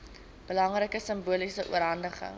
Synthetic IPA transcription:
b̥əlɐŋrəkəsəmbuəlisəʔuəɾɦɐndəχə̰ŋ

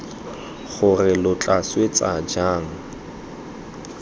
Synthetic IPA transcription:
χʊrɪlʊt͡ɬʼaswet͡sʼad͡ʒaːŋ̩

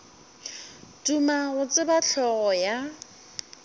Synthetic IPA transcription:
tumaɣʊt͡sʼɪbaɬʰɔɣɔja

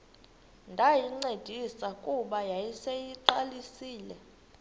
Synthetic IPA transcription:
ndʱajiŋ͡ǀed̥ʱisakʼuɓajajisejiǃalisiːlɛ

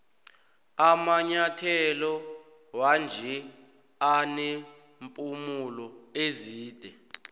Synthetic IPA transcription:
amaɲatʰɛlɔ | wand͡ʒʱɛ | ane | mpʼumulɔeziːd̥ʱɛ

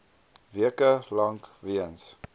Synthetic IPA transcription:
viəkəlɐŋkviəns

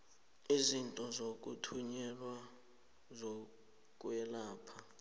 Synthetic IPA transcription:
izintʼɔzok̬ʼṵtʰuɲɛlwa | zo | k̬ʼuwɛlaːpʰa

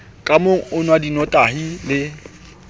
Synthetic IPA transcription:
kʼamʊʊnwadinɔtʼaɦilɪ

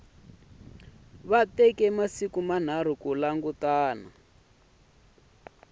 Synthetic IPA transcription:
βatɛkɛmasikuman̤aɾ̤ukulaŋɡutaːna

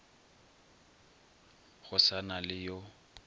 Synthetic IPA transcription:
ɣʊsanalɪjo

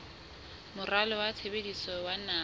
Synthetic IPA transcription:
mʊralɔwat͡sʰebedisɔwana

